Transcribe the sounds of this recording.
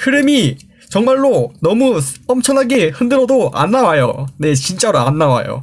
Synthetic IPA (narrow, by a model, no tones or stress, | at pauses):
kɯɾɯmi | t͡ɕʌŋmaɭːonʌmuʌmt͡ɕʰʌnaɡeɸɯndɯɾʌdoʔa̰nːawajo̰ne̞t͡ɕint͡ɕ͈aɾoanːawa̰jo̰